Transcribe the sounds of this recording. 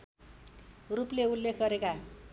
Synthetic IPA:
rupleulːekʰɡʌɾeka

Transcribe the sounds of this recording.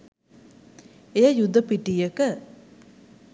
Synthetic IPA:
ejajud̪əpiʈijəkə

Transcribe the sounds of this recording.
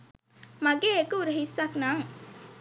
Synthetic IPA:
maɡeːekəuɾəɦisːaknaŋ

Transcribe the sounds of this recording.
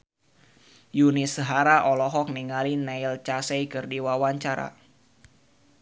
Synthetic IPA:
junisəɦaɾaʔɔlɔɦɔk̚niŋalinailt͡ʃasejkərdiwawaɲt͡ʃaɾa̰

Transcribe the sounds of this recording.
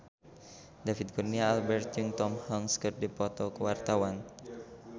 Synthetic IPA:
dafid̪̚kurniaːlbɛrt̪̚juŋt̪ɔmhɔŋskərdipɔt̪ɔkəwart̪awan

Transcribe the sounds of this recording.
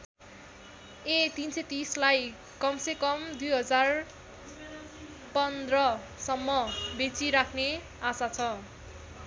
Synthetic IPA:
et̪inset̪islaj | kʌmsekʌmd̪ujɦʌd͡zar | pʌnd̪rʌ | sʌmːʌbet͡siɾakʰne | asat͡sʰʌ

